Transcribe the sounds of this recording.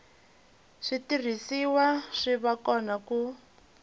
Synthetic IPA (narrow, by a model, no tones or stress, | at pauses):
ʂitir̤isiwaʂiβakɔnaku